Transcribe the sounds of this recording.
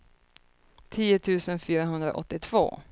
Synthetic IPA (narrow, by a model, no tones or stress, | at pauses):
t̪ʰiːʊt̪ʰʉ̟ːsənfyːɾaɦɵnd̪ɾa̰ʔɔ̰t̪ːɪt̪ʰv̥o̰ː